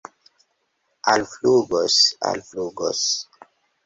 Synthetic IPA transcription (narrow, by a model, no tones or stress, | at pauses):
alfluɡɔsa̰lfluɡɔs